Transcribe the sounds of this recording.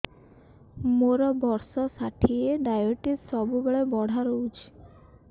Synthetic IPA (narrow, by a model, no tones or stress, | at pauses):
moɾɔbɔɾsɔsaʈʰieɖajoʈisɔbubeɭebɔɽ̤ʱaɾɔut͡ʃʰi̥